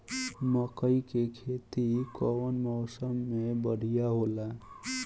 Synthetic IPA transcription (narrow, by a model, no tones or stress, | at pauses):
məkəikekʰeːt̪ikɔwənmɔːsəmːẽbəɽ̤ijaɦoːla